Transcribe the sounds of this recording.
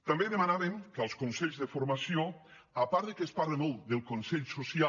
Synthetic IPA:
t̪ambeðemanaβeŋkalˠskonsɛʎzðəfoɾmasio | apaɾðekespaɾlemolˠd̪elˠkonsɛʎsosia

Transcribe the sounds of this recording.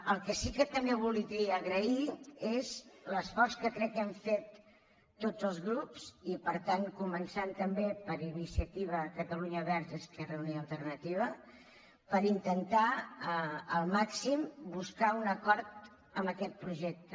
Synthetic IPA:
əlˠkəsikət̪əmbeβ̞ulˠid̪iəɣɾəiezləsfɔrskəkɾɛkːɛɱfet̪ː | od͡zəlˠzɣɾupsipəɾt̪aŋkumənsant̪əmbepəɾinisiət̪iβ̞əkət̪əluɲəβɛɾʒəskɛrəuniəlˠt̪ərnət̪iβ̞ə | pəɾint̪ənt̪a | əlˠmaksimbuskaunəkɔɾt̪ | əmbəkɛt̪̚pɾuʒɛk̚t̪ə

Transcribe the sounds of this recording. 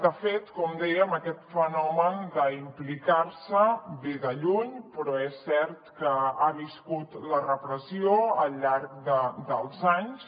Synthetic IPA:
d̪əfet̪kɔmd̪ɛjəməkɛt̪fənɔmənd̪əimplikaɾsəβeðəʎuɲpɾɔɛsːɛɾt̪kəaβiskut̪lərəpɾəsioəlˠʎːaɾk̚d̪əd̪əlˠzaɲs

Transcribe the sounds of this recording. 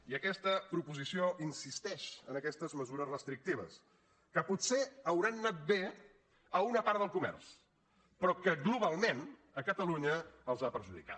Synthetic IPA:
iəkɛst̪əpɾupuzisioʔinsist̪ɛʃənəkɛst̪əzməzuɾəzrəst̪ɾik̚t̪iβ̞ə̰s | kəputseəwɾanːat̪̚be | əunəpaɾðəlˠkumɛ̰rs | pɾɔkəɡluβ̞alˠmen | əkət̪əluɲəəlˠzapəɾʒuðḭka̰

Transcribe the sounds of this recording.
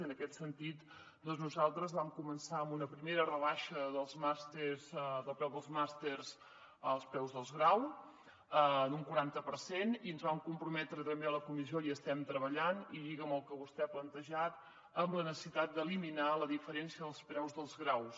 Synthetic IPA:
ənəkɛt̪sənt̪it̪ | d̪ɔnznuzalˠt̪ɾəzβamkumənsaəmbunəpɾimeɾərəβaʃəðəlˠzmast̪eɾzðəlˠpɾɛwðəlˠzmast̪eɾz | əlˠspɾɛwzðəlˠzɣɾaw | ənuŋkuɾant̪əpəɾseniənzβamkumpɾumɛt̪ɾət̪əmbeləkumizioiəst̪ɛmt̪ɾəβəʎaniðiɣəməlˠkəβust̪ɛaplənt̪əʒat̪ | əmlənəsə̥sit̪at̪̚d̪əliminaləðifəɾɛnsiəðəlˠspɾɛwzðəlˠzɣɾaws

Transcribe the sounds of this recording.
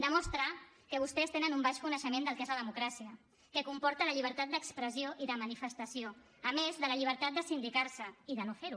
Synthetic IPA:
d̪əmɔst̪ɾa | kəβ̞ust̪ɛst̪enənumbaʃkunəʃəmend̪əlˠkezləðəmukɾasiə | kəkumpɔɾt̪ələʎiβ̞əɾt̪at̪̚d̪əkspɾəzioʔiðəmənifəst̪əsio | əmezðələʎiβ̞əɾt̪at̪̚d̪əsind̪ikaɾsəiðənofeɾu

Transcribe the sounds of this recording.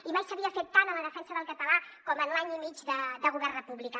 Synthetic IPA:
imajsəβiəfet̪ːanələðəfɛnsəðəlˠkət̪əlakɔmənlaɲimid͡ʒðəd̪əɣ̞uβɛrrəpuβlika

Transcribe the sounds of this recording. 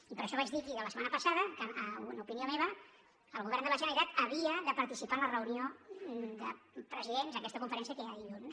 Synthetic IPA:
ipəɾəʃɔβad͡ʒd̪ikiðələsəmanəpəsaðəkəənupiniomeβ̞ə | əlˠɣuβɛrnd̪əβaʒənəɾit̪at̪əβiəðəpəɾt̪isipanlərəuniod̪əpɾəziðenzəkɛst̪əkuɱfəɾɛnsiəkeaiʒun

